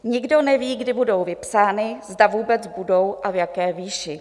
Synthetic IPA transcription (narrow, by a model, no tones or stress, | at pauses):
ɲɪɡdo̞nɛviːɡdɪbudo̞wvɪpsaːnɪzdavuːbɛt͡sbudo̞wʔavjakɛːviːʃɪ